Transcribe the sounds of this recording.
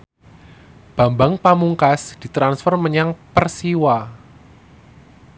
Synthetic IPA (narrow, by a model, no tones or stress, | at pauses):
b̥a̤mbaŋpamuŋkasd̥i̤t̪ɾansfɔrməɲaŋpərsiwa